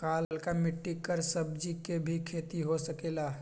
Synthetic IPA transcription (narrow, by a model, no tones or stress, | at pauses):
kaːlkamɪʈːikəɾsəb̚d͡ʒikebʱikʰeːt̪iɦosəkeːlaː